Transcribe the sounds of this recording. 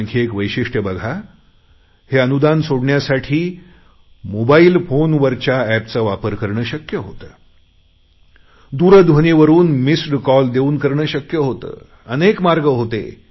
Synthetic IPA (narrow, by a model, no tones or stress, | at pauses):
ŋkʰiekʋəjɕiʂʈəbəɡʱa | heənud̪ansoɽɳjasaʈʰiː | mobaiːlfonʋəɾt͡ɕjaæpt͡səʋapəɾkəɾɳəːɕəkjəɦot̪əː | d̪uɾəd̪ʱʋoniʋəɾuːnmisɖkɔld̪euːnkəɾɳəːɕəkjəɦot̪ə̰ː | ənekmaɾɡəɦot̪ḛ